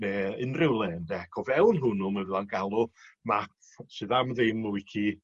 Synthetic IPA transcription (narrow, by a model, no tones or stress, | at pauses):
ɛɪnrɪwlˠɛːndɛkʰɔvɛwnɦʊnʊməvɪðˠanɡalˠʊma | sɨðamðɪmʊɪkʰi